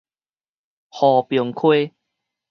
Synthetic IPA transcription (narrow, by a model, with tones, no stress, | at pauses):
hɔ˨˩pjo˨˩ŋkʰwe˦